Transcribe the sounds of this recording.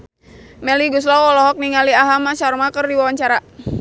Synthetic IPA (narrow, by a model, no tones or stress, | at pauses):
mɛliɡus̬lawɔlɔɦɔk̚niŋaliaɦamaʃarmakərdiwawaɲt͡ʃaɾa